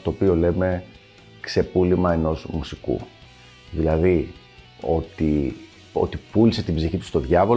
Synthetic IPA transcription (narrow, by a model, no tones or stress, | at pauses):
t̪o̞ːpio̞le̞me̞ | kse̞pulimɐeno̞zmusikṵ | ðilɐði | o̞t̪i | o̞̰t̪ipulise̞t̪ibziçit̪u̥st̪oðʝɐvo̞